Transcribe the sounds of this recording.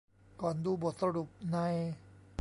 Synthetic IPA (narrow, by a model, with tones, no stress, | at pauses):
kɔː˨˩nduː˧˩bo˨˩t̪̚sa˧ɾu˨˩p̚na˧j